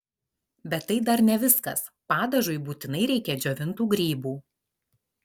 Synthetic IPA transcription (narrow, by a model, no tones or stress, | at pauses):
bʲɛt̪ːɐɪd̪ɐɾnʲɛʋʲɪskɐs | pɑːd̪ɐʒʊɪbuːt̪ʲɪnɐɪɾʲɛɪkʲɛd͡ʒʲoːʋʲɪnt̪uːɡɾʲiːbuː